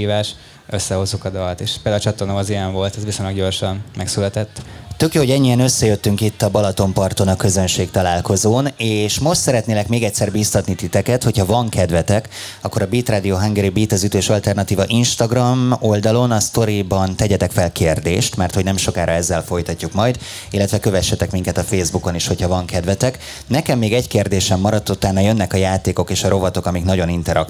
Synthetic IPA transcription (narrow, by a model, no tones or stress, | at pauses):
iːvaːʃ | øsːɛho̞zːukɒd̪ɒlt̪eːʃpeld̪at͡ʃɒt̪onomɒziɛɱvo̞lt̪ɛzʋisoɲlɒɡɟo̞rʃɒnmɛksylɛt̪ɛt̪ːt̪ø̞kjoːɦoɟɛɲːiɛnø̞sːɛjøt̪ːyŋkit̪ːɒbɒlɒt̪o̞mpɒrt̪o̞nɒkø̞zø̞nʃeːkt̪ɒlaːlko̞zoːneːʃmo̞ʃt̪sɛɾɛt̪neːlɛkmeːɡɛc̪sɛrbiːst̪ɒt̪nit̪it̪ɛkɛt̪ho̞cʰhɒvɒŋkʰɛd̪vɛt̪ɛk | ɒkːo̞ɾɒbiːt̪raːd̪ioːɦɑŋɡɛɾibiːt̪ɒzyt̪øːʃɒlt̪ɛrnɒt̪iːvɒʔinʃt̪ɒɡrɒmo̞ld̪ɒlo̞nɒst̪o̞ɾibɒnt̪ɛɟɛt̪ɛkfɛlkeːrd̪ḛːʃt̪mɛrt̪ho̞ɟnɛmʃo̞kaːɾɒɛzːɛlfo̞jt̪ɒcːukmɒjd̪ | ilːɛt̪ʋɛkø̞vɛʃːɛt̪ɛkmiŋkɛt̪ɒfeːzbuko̞niʃho̞cʰhɒvɒŋkɛd̪vɛt̪ɛk | nɛkɛmːeːɡɛɟkeːrd̪eːʃɛmːɒɾɒt̪ːut̪aːnːɒjø̞nːɛkɒjaːt̪eːko̞keːʃɒɾo̞vɒt̪o̞kɒmiknɒɟo̞nint̪ɛɾɒ̰k